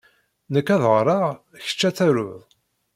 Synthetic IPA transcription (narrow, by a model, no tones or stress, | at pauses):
nəkːæðʁəɾˤɑ | çə̥t͡ʃːæt͡sːæɾʊðˤ